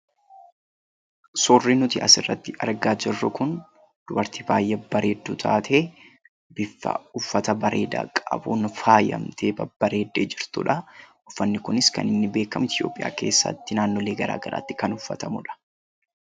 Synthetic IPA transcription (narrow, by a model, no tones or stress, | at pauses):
sɔːrːiːnʊt̪ɪʔɐsɪrːɐt̪ːɪʔɐ̰ɾɡaːd͡ʒɪrːʊkʊn | d̪̥ʊbɐɾt̪ibaːjːɛbɐɾʔe̞ːd̪ːuːt̪ʰa̰ːt̪ʰeː | bɪfːɐ̰ʊfːɐt̪ɐbɐɾeːd̪a̰ːkʼɐɐbuːnfaːjɐ̰mt̪ʰe̞ːbɐb̥ɐɾe̞ːd̪ːḛːd͡ʒɪɾt̪ʊ̰ᶑɐʔʊfːɐnːɪkʊnɪskɐnɪnːɪbe̞ːkːɐmɪt̪ʰjo̞̰ːpʼːɪjʔa̰ːke̞̰ːsːɐ̰t̪ːɪnaːnːɔle̞ːɡɐɾa̰ːɡɐɾa̰ːt̪ːɪ̥kɐnʊfːɐt̪ɐmʊᶑɐ̥